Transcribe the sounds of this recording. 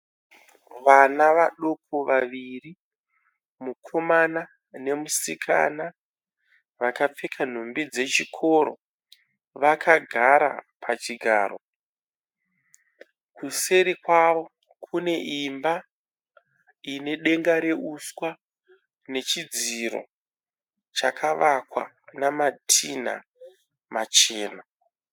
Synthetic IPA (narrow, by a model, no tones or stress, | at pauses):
ʋanaʋaɗokʰoʋaʋiri | mukʰo̞mana | ne̞musikʰa̰na | ʋakap͡fe̞kʰan̤ombid͡ze̞t͡ʃikʰo̞ɾo̰ | ʋakʰaɡʱaɾa̰pʰat͡ʃiɡʱa̰ːɾo̰ | kuse̞ɾikwaʋo̞ | kʰune̞ʔimba | ine̞ɗe̞ŋɡaɾe̞uswa | ne̞t͡ʃid͡ziɾo̞̰ | t͡ʃakʰaʋakwa̰ | namatʰin̤a̰ | mat͡ʃeːna